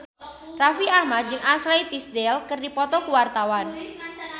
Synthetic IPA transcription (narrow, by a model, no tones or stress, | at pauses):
rafiahmat̪̚d͡ʒɨŋaslejt̪isdɛlkɨrdipɔt̪ɔkuwart̪awan